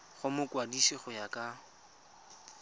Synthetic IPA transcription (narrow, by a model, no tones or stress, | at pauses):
χʊmʊkwadisiχʊjakʼa